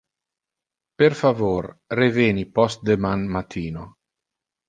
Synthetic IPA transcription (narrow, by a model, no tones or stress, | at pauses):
perfavoːrreveːnipɔst̪̚d̪emanmat̪ʰiːno